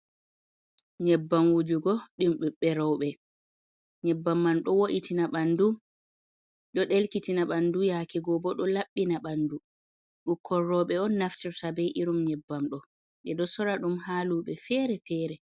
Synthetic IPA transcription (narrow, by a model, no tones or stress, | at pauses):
ɲɛbːamwud͡ʒuɡɔɗimɗuɓːɛɾɔwɓɛ | ɲɛbːamːanɗɔwoʔitinaɓandu | ɗɔɗelkitinaɓandujakɛɡɔbɔɗɔlaɓːinaɓandu | ɗukʰːɔrːɔɓɛɔnːaftiɾsabɛjʔiɾumɲɛbːamɗɔ | ɗɛɗɔsɔɾaɗumhaluɓɛfɛɾɛfɛːɾɛ